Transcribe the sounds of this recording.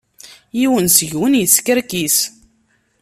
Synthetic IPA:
jiwənsəʝwənjəskəɾkis

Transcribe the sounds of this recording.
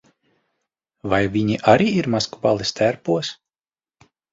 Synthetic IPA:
vajvʲiɲiʔaɾiːiɾmaskubalˠist̪ʰæɾpuɔs

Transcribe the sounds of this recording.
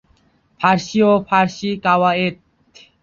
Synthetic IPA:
pʰaɾʃiopʰaɾʃikawaet̪

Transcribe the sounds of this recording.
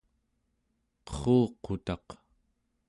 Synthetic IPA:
qʌ̥χuːqot̪ɑq

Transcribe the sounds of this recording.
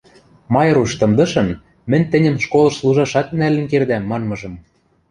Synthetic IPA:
mɑjɤ̆ɾuʃt̪ɤ̆md̪ɤ̆ʃɤ̆n | mɘ̆nʲt̪ɘ̆nʲə̆mʃkolɤ̆ʃslˠuʒɑʃɑt̪nælɘ̆nkerd̪æmːɑnmɤ̆ʒɤ̆m

